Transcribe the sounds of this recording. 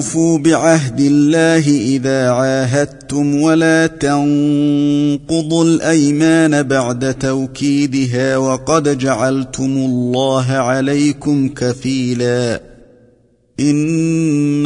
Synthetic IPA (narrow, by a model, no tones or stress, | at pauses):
fuːbɪʕaɦd̪ɪlːaːɦɪʔɪðaːʕaːɦad̪̚t̪ʊmwalaːt̪ɑŋ | qʊðˤʊlʔajmaːnabaʕd̪at̪awkiːd̪ɪɦaːwɑqɑd̪d͡ʒaʕalt̪ʊmʊlˤːɑːɦʕalajkʊmkafiːlaː | ʔɪn